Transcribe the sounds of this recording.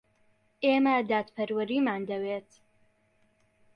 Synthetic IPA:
ʔeːməd̪aːt̪pʰɐɾwɐɾiːmaːnd̪ɐweːt̪

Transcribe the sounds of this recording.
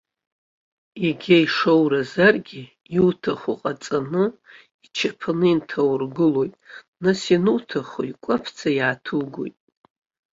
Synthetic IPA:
iɡʲaiʂowrazarɡʲi | iwtʰaχuqʼat͡sʼanɨ | it͡ʃʰapʰanɨintʰawrɡɨlojtʼ | nasinutʰaχo̰ikʷʼapʰt͡sʰajaːtʰuɡʷo̰jtʼ

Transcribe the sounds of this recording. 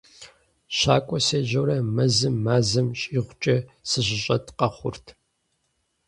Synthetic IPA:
ɕaːkʷʼɔseːʑɐwɾɐmɐzɨmːaːzɨmɕʼiʁʷʊt͡ʃʼɐsɨʑɪɕʼɐtʰqɐχʷʊ̰rtʰ

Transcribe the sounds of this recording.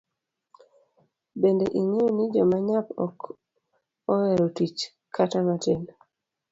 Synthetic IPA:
bendeʔiŋenɪd͡ʒɔmaɲapɔ̰k | ɔɛɾotit͡ʃ | kʰatamatɪn

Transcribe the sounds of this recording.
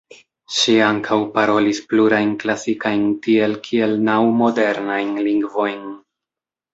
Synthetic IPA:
ʃiaŋkʰawpaɾo̞lispluɾajnklasikajntie̞lkʰie̞lnawmo̞de̞ɾnajnliŋɡvo̞jn

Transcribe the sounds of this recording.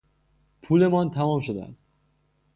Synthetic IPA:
pʰuːle̞mɒːnt̪ʰæmɒːmʃod̪eæ̰st̪

